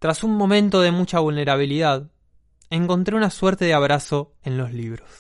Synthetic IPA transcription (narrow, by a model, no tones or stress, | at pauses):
t̪ɾasunmõ̞mẽ̞nt̪o̞ðe̞mut͡ʃaβulne̞ɾaβ̞iliðað | e̞ŋko̞nt̪ɾe̞unasweɾt̪e̞ðeaβɾaso̞ | e̞nlo̞sliβɾos